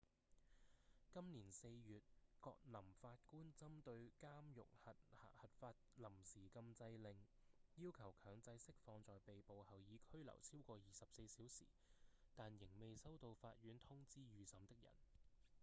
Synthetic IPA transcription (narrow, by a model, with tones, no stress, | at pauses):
kɐ˥mniː˨˩nse˧jjyː˨t̚kɔː˧k̚lɐ˨˩mfaː˧t̚kuː˥nt͡sɐ˥mt̪ɵ˧ɥkaː˥mjʊ̰˨k̚hɐ˨t̚hɐ̰˨hɐ˨t̚faː˧t̚lɐ˨˩msiː˨˩kɐ˧mt͡sɐ˧jlɪ˨ŋjiː˥wkʰɐ˨˩wkʰœː˨˧˥ŋt͡sɐ˧jsɪ˥k̚fɔː˧ŋt͡sɔː˨jpe˨jpo˨whɐ˨wjiː˨˧kʰɵ˥ɥlɐ̰˨˩wt͡sʰiː˥wkɔː˧jiː˨˩sɐ˨p̚se˧jsiː˨˥wsḭː˨˩t̪aː˨njɪ˨˩ŋme˨jsɐ˥wt̪o˧wfaː˧t̚ɥyː˨˥nt̪ʰʊ˥ŋt͡siː˥jyː˨˩sɐ˨˧˥mt̪ɪ˥k̚jɐ̰˨˩n